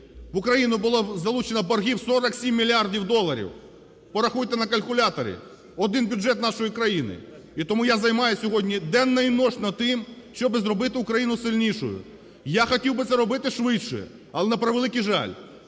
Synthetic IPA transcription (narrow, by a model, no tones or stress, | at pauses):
ʋʊkɾɐjinʊbʊlˠazɐlˠut͡ʃenɐbɐrɦʲiwsɔɾɐksʲimʲːilʲiardʲiwd̪ɔlˠːɐɾʲḭw | pɔɾɐxujt̪ɛnɐkɐlʲkʊlʲat̪ɐɾʲɪ̰ | ɔd̪ɪnbʲʊdʒɛt̪nɑʃɔjikɾɐjinɪ̰ | it̪ɔmujazɐjmɑjʊsʲɔɦɔdʲnʲid̪ɛnːɐinɔʃnɐd̪̚t̪ɪmʃt͡ʃɔbɪzɾɔbɪt̪ɪʊkɾɐjinʊsɪlʲnʲiʃʊ̰jʊ̰ | jaxɔtʲiwbɪt̪sɛɾɔbɪt̪ɪʃʋɪtʃɔ̰jɛ̰ | ɐlˠɛnɐpɾɐʋlˠɪkijʒɑ̰lʲ